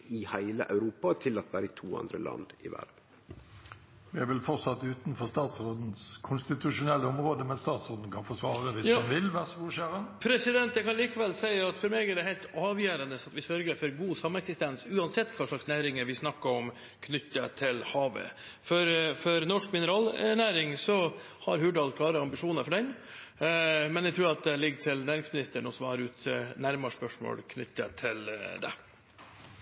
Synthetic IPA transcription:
ɪhæɪlə̰ʔɑ̰ʉɾuːpɑt̪ʰɪlɑt̪ʋæ̰ːɾəɪt̪ʰṵːɑ̰nd̪ɾə̰lɑ̰nd̪ɪ̰ʋæ̰ɾʋ | ʋɪɛʋɪlfɔʁtsɑt̪ːʉːt̪n̩fɔst̪ɑːt̪sʁoːd̪n̩skʰʊnst̪ɪt̪ʉʂʊnɛlːəɔmʁoːd̪əmɛst̪ɑːt̪sʁoːd̪n̩kʰɑnfɔsʋɑːʁəʋɪsɑnʋɪlʋæʁsuːɕæːʁɑnpʰɾɛsɪd̪ɛnt̪̚d̪ɛkɑnliːkəʋɛlːsæɪəɑt̪fɔɾmeːɡɛɖɛɦɛɪlt̪ɑːʋjæːɾɑnəsɑt̪ʋɪsœɾɡəɾfɔɾɡuːsɑmːəɛksɪst̪ɛnsʉːɑnsɛt̪ːkʰʋɑːʂɭɑksnæːɾɪŋəɾʋɪsnɑkːɑɔm | kʰnʏt̪ːət̪ʰɪlhɑːʋə̰ | fɔɾfɔɾnɔʂkmɪnəɾɑːlnæːɾɪŋsɔ | hɑɾhʉːɖɑlkʰlɑːɾəɑmbɪʂuːnəɾfɔɖɛn | mɛnjɛt̪ʰɾʉːɾɑt̪̚d̪ɛlɪɡːʈʰɪlnæːɾɪŋsmɪnɪst̪əɳɔsɔmhɑɾʉːt̪næɾmɑʂpœʂmo̰ːlkʰnʏt̪ːə̰t̪ʰɪld̪ɛ̰

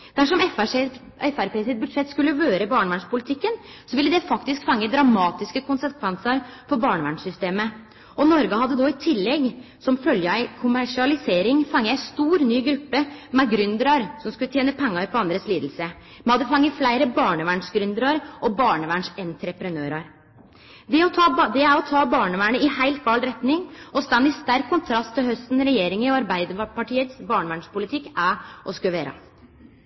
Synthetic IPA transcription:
d̪̥æʂɔmɛf | ɛfæɾpeːsɪt̪̚bʉd̪ʂɛt̪ːskʉlːəʋøːɾəbɑːɳəʋæɳʂpʊlɪt̪ʰɪkːən | sɔʋɪlːəd̪ɛfɑkt̪ɪskfɑŋːəd̪ɾɑmɑːt̪ɪskəkʰʊnsəkʰʋɛnsəɾfɔɾbɑːɳəʋæɳʂʏst̪eːmə | ʔɔnɔɾɡəhɑd̪ːəd̪ɔɪt̪ʰɪlːɛɡ | sɔmfœljəæɪkʰʊmæʂɪɑlɪseːɾɪŋfɑŋːəæɪst̪uːɾnyːɡɾʉpːəmɛɡɾʏnd̪əɾɑɾsɔmskʉlt̪jeːnəpʰɛŋːɑɾpʰɔɑnd̪ɾəsliːd̪l̩sə | mɛhɑd̪əfɑŋːəflæɪɾəbɑːɳəʋæːɳʂɡɾʉnd̪əɾɑɾʔɔbɑːɳəʋæɳʂɛnt̪ɾɛpɾənøːɾɑɾ | d̪ɛɔt̪ʰɑːd̪ɛæɾɔt̪ʰɑːbɑːɳəʋæːɳəɪhæɪlt̪ʋɑlɾɛt̪nɪŋɔst̪ɑnd̪ɪst̪æɾkʰːʊnt̪ʰɾɑst̪ʰːɪlhœst̪n̩ɾɛjeːɾɪŋəɔɑɾbæɪd̪əpɑʈʰiːət̪sbɑːɳəʋæɳʂpʊlɪt̪ʰɪkːæʔɔskʉʋeːɾɑ̰

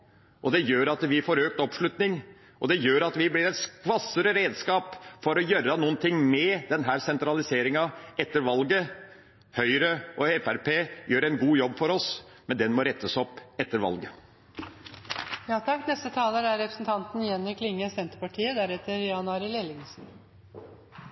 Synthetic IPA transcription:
ʔɔd̪ɛjøːɾɑt̪ʋɪfoːɾøːk̚t̪ɔpʂɭʉt̪nɪŋ | ɔd̪ɛjøːɾɑt̪ʋɪblɪɾɛt̪skʋɑsəɾəɾeːd̪skɑːpfɔɾɔjøːɾənuːənt̪ʰɪŋːmɛd̪ɛnɦæːɾsɛnt̪ɾɑlɪseːɾɪŋɑɛt̪ːəɾʋɑlɡə | hœʏɾəɔɛfæɾpʰeːjøːɾɛnɡuːjɔbːfɔɾɔs | mɛnd̪ɛnmɔɾɛt̪ːəsɔpːɛt̪ːəɾʋɑ̰lɡə | jɑːt̪ʰɑkːnɛst̪ət̪ʰɑːləɾæɾɛpɾəsn̩t̪ʰɑnt̪n̩jɛnɪkʰlɪŋːəsɛnt̪əpɑʈʰiːəd̪æɾɛt̪ːəɾjɑnɑːɾɪlelɪŋsn̩

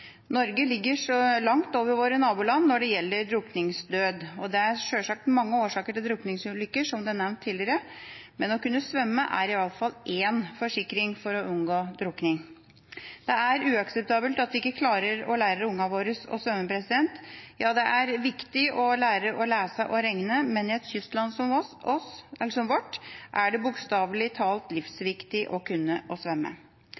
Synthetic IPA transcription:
nɔɾɡəlɪɡːəʂɔlɑŋt̪oːʋəɾʋoːɾənɑːbuːlɑnːɔɖɛjɛlːəɾɖ̪ɾʊknɪŋsd̪øːd̪ɔd̪ɛæɾʂøːʂɑk̚t̪mɑŋːəoːʂɑːkəʈɪld̪ɾʊknɪŋsʉlʏkːəʂɔmd̪ɛænɛʋnt̪ʰːiːlɪəɾəmɛnɔkʉnːəsʋœmːəʔæ̰ɾɪʋɑlfɑlːʔeːnfɔʂɪkɾɪŋfɔɾɔʔʉnɡoːd̪ɾʊknɪŋ | d̪̥ɛæɾʉːɑksɛp̚t̪ʰɑːbəlt̪ɑt̪ʋɪɪkːəkʰlɑːɾəɾɔlæːɾəʊŋːɑʋoːɾəsɔ̰sʋœmːəpʰɾɛsɪd̪ɛnt̪jɑːd̪ɛʔæɾʋɪkt̪ɪʔɔlæːɾəʔɔlæːsəʔɔɾɛŋnəmɛnɪɛt̪çʏst̪lɑnsɔmɔɔsɛlːəʂɔmʋɔʈːʔæɖɛbʊkst̪ɑːʋlɪt̪ʰɑːlt̪lɪfsʋɪkt̪ɪʔɔkʰʉnːəʔɔsʋœmːə̰

